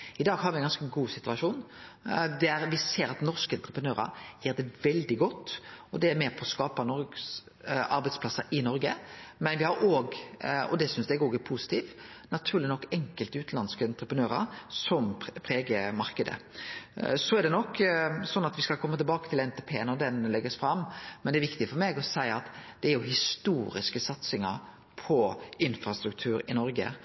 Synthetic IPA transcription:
ɪd̪ɑːɡhɑɾʋɪɛnɡɑnskəɡuːsɪt̪ʉɑʂuːn | d̪ææɾʋɪseːɾɑt̪nɔɾskəɛnt̪ɾəpʰənøːɾɑ̰ɾjiːɾd̪ɛʋɛld̪ɪɡɔt̪ːɔd̪ɛæɾmeːɾpʰɔskɑːpɑnɔɾɡs | ʔɑɾbɛɪspʰlɑsɑɾʔɪnɔɾɡəmɛnʋɪhɑɾoːɡɔ̰d̪ɛsʏnsd̪ɛɛɡoːɡɛpʰusɪ̥t̪ʰiːʋ | nɑt̪ʰʉːɾlɪnɔkːɛŋkəlt̪ʉːt̪nɑnskəɛnt̪ɾəpɾənøːɾɑ̰ɾsɔmpʰɾeːɡəmɑɾkəd̪ə̰ | sɔæɾɖ̪ɛnɔkːsɔnːɑt̪ʋɪskɑlkʰɔmːət̪ɪlbɑːkət̪ʰɪlɛnt̪ʰeːpʰeːɛnɔd̪ɛnlɛɡːəsfɾɑmːmːɛnd̪ɛɾʋɪkt̪ɪfɔɾmeːɡɔsæɪəɑt̪d̪̥ɛæɾjʊhɪst̪uːɾɪ̰skəsɑt̪sɪŋə̰ɾ | pʰɔɪnfɾɑst̪ɾʉk̚t̪ʰʉːɾɪnɔɾɡə̰

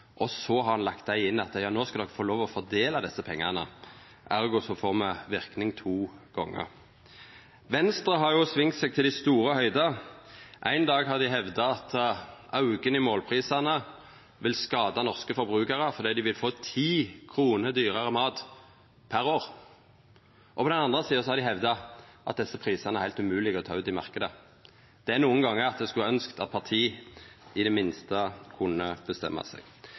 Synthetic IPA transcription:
ʔɔsɔhɑʁhɑnlɑkt̪̚d̪æɪɪnːɑt̪jɑːnoːskɑld̪ɔkfoːloːʋɔfɔʁd̪eːlɑd̪ɛsːəpʰɛŋːɑnə̰ | ʔæʁɡʊsɔfoːʁmɛʋɪʁknɪŋt̪ʰuːɡ̥ɔŋːə̰ʁ | ʋɛnst̪ʁəɦɑʁjʊsʋɪŋt̪seːɡ̚t̪ʰɪld̪æɪst̪uːɾəhœʏd̪ɑ | ʔæɪnd̪ɑːɡɦɑʁd̪ɪɦɛʋd̪ɑɑt̪ɑʉɡənɪmoːlpʰʁiːsɑnə | ʋɪlskɑːd̪ɑnɔʁskəfɔʁbʁʉːkəʁəfɔʁd̪iːd̪ɪʋɪlfoːt̪ʰiːkʰʁuːnəɾd̪yːʁɑʁəmɑːt̪ | pʰæɾoːʁ | ʔɔpʰɔd̪ɛnɑnd̪ʁəsiːəsɔhɑɾd̪ɪhɛʋd̪ɑʔɑ̰t̪̚d̪ɛsːəpʰʁiːsɑʁnəæʁhæɪlt̪ʉmʉːlɪɡɔt̪ʰɑːʉːt̪ɪmɑ̰ʁkəd̪ə | d̪̥ɛæʁnuːənɡɑŋːəɑt̪̚d̪ɛskʉɑœnskt̪ɑt̪̚pʰɑʁt̪ʰiːɪd̪ɛmɪnst̪əkʰʊnːəb̥əst̪ɛ̰mːɑ̰sɛ̰ɡ̥

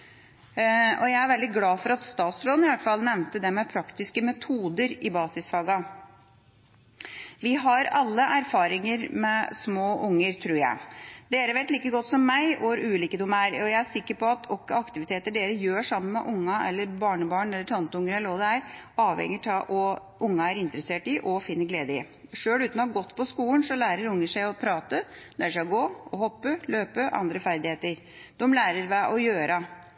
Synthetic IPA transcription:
ɔjæɪæɾʋɛld̪ɪɡlɑːfɔɾɑt̪st̪ɑːt̪sɾoːd̪nɪʋæt̪ːəfɑlnɛʋnt̪əd̪ɛmɛpʰɾɑkt̪ɪskəmɛt̪ʰuːd̪əɾɪbɑːsɪsfɑːɡɑ | ʋɪɦɑɾɑlːəʔæɾfɑːɾɪŋəɾmɛsmoːʔʊŋːəɾt̪ʰɾʉːɾjæ̰ɪd̪eːɾəʋeːt̪liːkəɡɔt̪ːsɔmːæɪʔoːɾʉːliːkəd̪ʊmæɾɔjæɪæʂɪkːəɾpɔɑt̪ʰɔkːəɑkt̪ɪʋɪt̪ʰeːt̪əɖeːɾəjøːʂɑmːənmɛ̰ʔʊŋːɑɛ̰lːəɾbɑːɳəbɑːɳɛlːəʈʰɑnt̪əʊŋːəɾɛlːəɾɔd̪əæɾɑːʋhɛ̰ŋːəʈʰɑʔɔ | ʔʊŋːɑæɾɪnt̪ɾəseːʈɪʔɔfɪnːəɡleːd̪əɪ̰ | ʂøːlʉːt̪nɔɡɔt̪ːpʰɔskuːlnsɔlæːɾəɾʊŋːəʂæɪɔpʰɾɑːt̪əlʔæːɾəʂæɪɡoːɔhɔpːəløːpəʔɑ̰nd̪ɾəfæɾd̪ɪheːt̪əɾ | d̪̥ɔmlæːɾəɾʋæʔɔjøːɾʔɑ

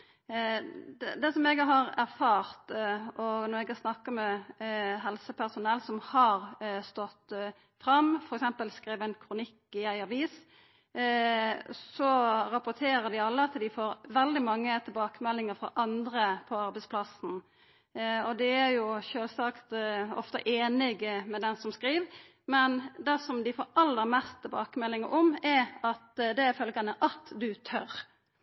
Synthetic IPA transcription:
d̪ɛd̪ɛsɔmɛɡɦɑɾæɾfɑːɾt̪ɔɡnɔɾɛɡɑsnɑkːəmɛ | ɦɛlsəpʰæʁsʊnɛlːsɔmhɑɾst̪ɔt̪ː | fɾɑmfɔɾɛksɛmpəlskɾiːʋəɛnkʰɾʊnɪkːɪæɪɑʋiːs | sɔɾɑpʊt̪ʰeːɾəd̪ɪɑlːəɑt̪d̪ɪfoːɾʋɛld̪ɪmɑŋːət̪ʰɪlbɑːkəmɛlːɪŋəfɾɔ̰ʔɑnd̪ɾəpʰɔɑɾbɛɪspʰlɑsn̩ | ɔd̪ɛæɾjʊʃøːlsɑkt̪ɔ̰ft̪ə̰ʔeːnɪɡmɛd̪ɛnsɔmskɾiːʋ | mɛnd̪ɛːsɔmd̪ɪfoːɾɑlːəɾmɛst̪ʰːɪlbɑːkəmɛlːɪŋəɾʔɔmɛɑt̪d̪ɛfœlɡɑnəʔɑt̪d̪ʉt̪ʰœɾ

